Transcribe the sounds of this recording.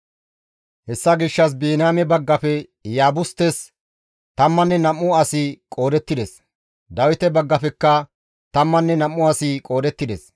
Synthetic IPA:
hɛsːɐɡɪʃːɐs̬biːnaːmɛbɐɡːɐfɛ | jaːbʊst̪ɛs | t̪ɐmːɐnːɛnɐmːʊɐsɪkʼo̞ːd̪ɛt̪ːɪd̪ɛs | d̪ɐwɪt̪ɛbɐɡːɐfɛkːɐ | t̪ɐmːɐnːɛnɐmːʊɐsɪkʼo̞ːd̪ɛt̪ːɪd̪ɛs

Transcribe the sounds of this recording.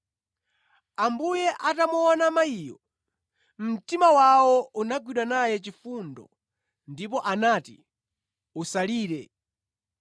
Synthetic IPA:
ambujɛʔatamuɔnamaiːjɔ | m̩timawawɔunaɡwiɗwanajɛt͡ʃifundɔ̰ | ndip̬ɔʔanaːti | usaliːɾɛ

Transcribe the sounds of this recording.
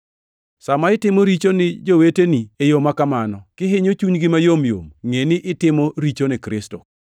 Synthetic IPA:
samaɪtɪmoɾit͡ʃonɪd͡ʒoweteniejomakamanɔkɪɦɪɲot͡ʃuɲɡɪmajomjo̰mŋenɪʔɪtɪmɔɾit͡ʃonɪkɾɪstɔ

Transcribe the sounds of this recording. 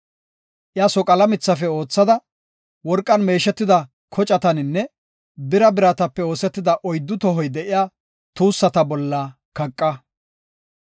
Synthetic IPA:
ʔjasɔkʼɐlɐmɪt͡sːɐfɛo̞ːt͡sːɐd̪ɐ | wɔɾkʼːɐnme̞ːʃɛt̪ːɪd̪ɐ | kʰɔt͡ʃʼɐt̪ɐnɪnːɛ | bɪɾɐbɪɾɐt̪ɐpːɛo̞ːsɛt̪ːɪd̪ɐʔɔjd̪ːʊt̪ɔɦɔjd̪ɛʔɪjaː | t̪uːsːɐt̪ɐbɔlːɐ | kɐkʼːɐ

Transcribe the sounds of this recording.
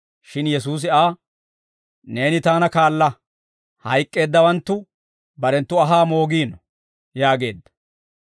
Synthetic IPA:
ʃɪnjɛsuːs̬ɪaː | ne̞ːnɪt̪aːnɐkaːlːɐ | hɐjkʼːe̞ːd̪ːɐwɐnt̪ːʊ | bɐɾɛnt̪ːʊɐɦaːmo̞ːɡiːnɔ | jaːɡe̞̰ːd̪ːɐ̥

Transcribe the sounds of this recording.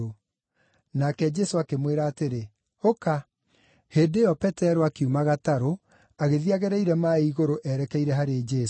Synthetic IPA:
o | nakɛd͡ʒɛsoakemweɾaːteɾe | oka | heːdeɔpɛtɛɾoakeumaɣataɾo | aɣeðiaɣɛɾɛiɾɛmaiɣoɾoʔɛɾɛkɛiɾɛɦaɾed͡ʒɛs

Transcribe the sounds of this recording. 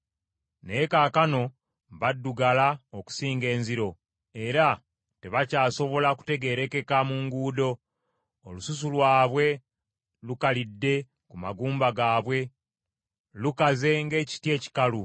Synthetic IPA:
nekaːkano̞ | βadːuɡalaoku̥siːŋɡe̞ːnziɾo̞ | e̞ɾa | te̞βacaːso̞βo̞laku̥te̞ɡe̞ːɾeke̞kamuŋɡuːdo̞ː | lusus̬ulwaːβwe̞ | lukalidːe̞ | kuma̰ɡuːmbaɡaːβwe̞ | lukaze̞ŋɡe̞ːci̥tje̞ːci̥kalu

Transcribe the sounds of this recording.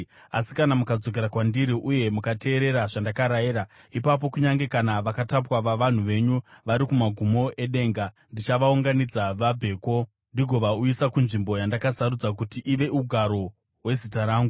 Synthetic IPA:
asi̥kanamukad͡zo̞k̬e̞ɾakwandiɾiʔuje̞mukate̞ːɾe̞ɾaʐandakaɾajeɾa | ipap̬o̞kuɲaŋɡe̞kanaʋakatap̬waʋaʋan̤uʋe̞ɲuʋaɾikumaɡʱumo̞ʔe̞ɗe̞ːŋɡa | ndit͡ʃaʋauŋɡanid͡zaʋabʱe̞ːko̞ | ndiɡʱo̞ʋauisakunʐimbo̞jandakasaɾud͡zak̬utiʔiʋe̞uɡʱaɾo̞ | ɦwe̞zitaɾaːŋɡu

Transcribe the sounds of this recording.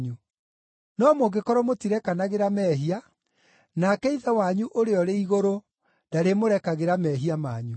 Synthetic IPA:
ɲu | nɔmoɡekɔɾɔmotiɾɛkanaɣeɾamɛɦia | nakɛiðawaɲuʔoɾeɔɾeiɣoɾo | d̥aɾemoɾɛkaɣeɾamɛːɦiamaːɲu

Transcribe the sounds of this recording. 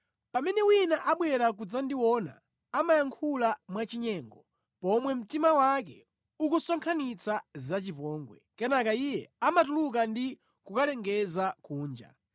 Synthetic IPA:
pamɛnɛwinaʔaɓwɛɾak̬ud͡zandiwɔna̰ː | majaŋkʰulamwat͡ʃiɲɛːŋɡɔ | pɔmwɛm̩timawakɛ̰ | ukusɔŋkʰanit͡sazat͡ʃipɔːŋɡwɛ̰kɛnakaijɛamatuluk̬andi | kukalɛŋɡɛzakuːnd͡ʒa̰

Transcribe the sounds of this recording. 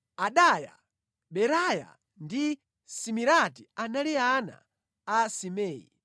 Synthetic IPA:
aɗaja̰ | ɓɛɾaja̰ | ndi | simiɾatianaliana̰ː | simɛːjḭ

